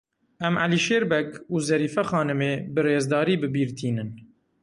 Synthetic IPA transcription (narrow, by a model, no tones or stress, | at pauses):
ɛma̰liʃeːɾbɛkuːzɛɾiːfɛxɑːnɨmeːbɨreːzd̪ɑːɾiːbɨbiːɾt̪ʰiːnɨn